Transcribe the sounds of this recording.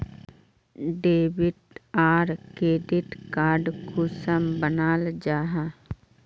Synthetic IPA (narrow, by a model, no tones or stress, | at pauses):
ɖeːbɪʈaːɾkɾeːɖɪʈkaːɾɖkʰuːsəmbənaːld͡ʒaːɦa